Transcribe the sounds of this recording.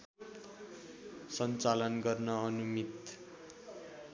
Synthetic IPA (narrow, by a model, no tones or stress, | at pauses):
sʌnt͡salʌnɡʌrnʌʌnumit̪